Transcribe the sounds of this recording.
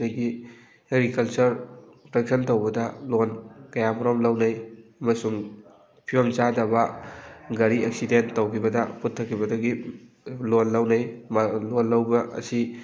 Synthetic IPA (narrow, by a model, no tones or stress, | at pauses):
ɐjɡi | heɡɾikɐlt͡ʃɐɾpɾek̚sʰɐntowbɐdɐlonkɐjamɐɾomlɐwnɐjɐmɐsuŋ | pʰibɐmt͡ʃadɐbɐ | ɡɐɾieksidentːowkʰibɐdɐputʰːɐkʰːibɐdɐɡi | lonlɐwnɐjlonːɐwbɐʔɐ̰si